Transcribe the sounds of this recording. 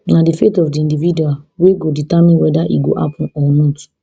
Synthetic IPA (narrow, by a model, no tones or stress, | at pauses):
nadifetɔfdiĩndividuaweɡoditamĩnwɛdaʔiɡo̰ʔa̰pʰɔ̃nɔnɔt